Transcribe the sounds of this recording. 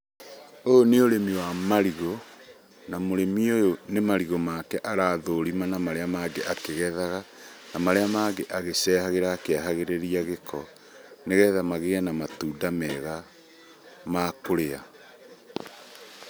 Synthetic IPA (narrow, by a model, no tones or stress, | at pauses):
ooneoɾemiwamaɾiɣo | namoɾemiojonemaɾiɣomakɛʔaɾaːðoɾimanamaɾeamaːɡeʔakeɣɛðaɣa | namaɾeamaːɡeʔaɣesɛːhaɣeɾaːkeaɦaɣeɾeɾiaɣekʰɔ | neɣɛːðamaɣeanamatuːdamɛɣa | makoɾea